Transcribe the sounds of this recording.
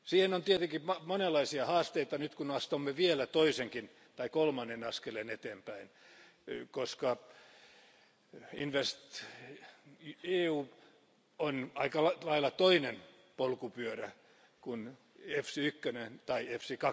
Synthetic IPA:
siːhenont̪iet̪eŋkimɑmonelˑːɑisiɑhɑːst̪eit̪ɑnyt̪kunɑst̪omːeʋielæt̪oiseŋkin | t̪ɑikolmɑnːenɑskelenet̪eːmpæin | koskɑ | inʋest̪ | eːuː | onɑikɑlɑilːɑt̪oinen | polkupyøræ | kun | efsiykːønent̪ɑiefsikɑ

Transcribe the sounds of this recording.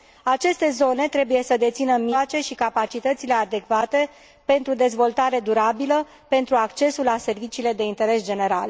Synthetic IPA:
at͡ʃe̞st̪e̞zo̞ne̞t̪ɾe̞buje̞səd̪e̞t̪sinəmiat͡ʃe̞ʃikapat͡ʃit̪ət̪sile̞ad̪e̞kvat̪e̞ | pe̞nt̪ɾud̪e̞zvo̞lt̪aɾe̞d̪uɾabilə | pe̞nt̪ɾuakt͡ʃe̞sulase̞rvit͡ʃiːle̞d̪e̞int̪e̞ɾe̞sd͡ʒe̞ne̞ɾa̰l

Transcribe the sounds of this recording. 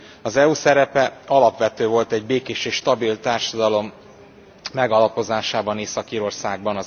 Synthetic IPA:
ɒzɛuːsɛɾɛpɛɒlɒpʋɛt̪øːvo̞lt̪ɛɟ̚beːkeːʃeːʃt̪ɒbilt̪aːrʃɒd̪ɒlo̞mː | ɛɡɒlɒpo̞zaːʃaːbɒneːsɒkiːɾo̞rsaːɡ̚bɒnɒ

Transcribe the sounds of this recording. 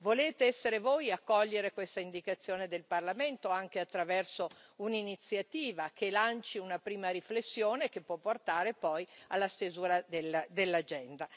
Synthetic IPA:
voleːt̪eɛsːeɾevojakːɔʎːeɾekwest̪aind̪ikat̪sːjoːned̪elparlament̪oaŋk̟eat̪ːɾavɛrsouninit̪sːjat̪iːvakelant͡ʃiunapɾiːmaɾiflesːjoːnek̟epːwɔpːort̪aːɾepɔjalːast̪ezuːɾad̪eld̪elːad͡ʒɛnd̪a

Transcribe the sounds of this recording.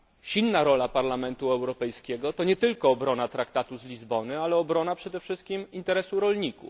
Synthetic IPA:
ɕilnaɾɔlapaɾlamɛnt̪uɛwɾɔpɛjskʲɛɡɔt̪ɔɲɛt̪ɘlkɔːbɾɔnat̪ɾakt̪at̪uzlʲizbɔnɘalɛɔbɾɔnapʂɛd̪ɛfʂɘst̪̚kʲimint̪ɛɾɛsuɾɔlɲikṵf

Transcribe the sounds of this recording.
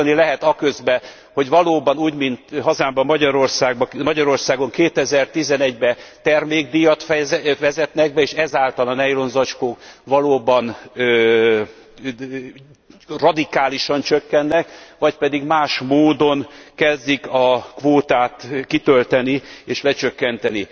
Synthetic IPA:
nilɛɦɛt̪ɒkø̞zbɛ | ho̞ɟʋɒloːbɒnuːɟmint̪ɦɒzaːmbɒmːɒɟɒɾo̞rsaːɡbɒmɒɟɒɾo̞rsaːɡo̞ŋkeːt̪ɛzɛrt̪izɛnɛɟbɛt̪ɛrmeːɡ̚d̪ijɒt̪fɛʋɛzɛt̪nɛɡ̚bɛeːʃɛzaːlt̪ɒlɒnɛjlo̞nzɒt͡ʃkoːkʋɒloːbɒnø | rɒd̪ikaːliʃɒnt͡ʃøkːɛnːɛkʋɒcpɛd̪iɡmaːʃmoːd̪o̞nkɛzd̪ikɒkʋoːt̪aːt̪kit̪ølt̪ɛnieːʃlɛt͡ʃøkːɛnt̪ɛni

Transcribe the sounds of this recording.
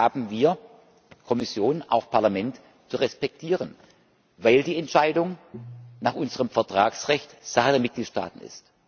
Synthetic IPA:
aːbm̩viːɐ | kʰɔmɪsjoːnʔa̰ʊxpʰaɐlamɛnt | t͡suʁɛspɛk̚tʰiːʁən | vaɪldiːɛntʃaɪdʊŋnaːχʔʊnzəʁəmfɛɐtʁ̥aːksʁɛçtz̥aχədeːɐmɪt̚ɡ̥liːtʃta̰ːtn̩ɪ̰st

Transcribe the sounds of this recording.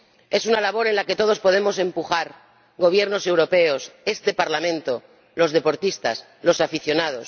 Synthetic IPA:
e̞sunalaβ̞o̞ɾe̞nlake̞t̪o̞ð̞o̞spo̞ð̞e̞mo̞se̞mpuxaɾ | ɣo̞β̞je̞ɾno̞se̞wɾo̞pe̞o̞se̞st̪e̞paɾlamẽnt̪o̞ | lo̞zð̞e̞po̞ɾt̪ist̪as | lo̞safiθjo̞nað̞o̞s

